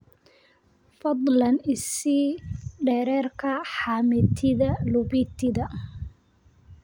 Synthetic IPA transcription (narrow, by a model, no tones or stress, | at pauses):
fɑd̪ˤlɐnɪsiːɖɛːɾɛːrkʰɐħaːmɪt̪ʰɪðɐlʊβit̪ʰɪðɐ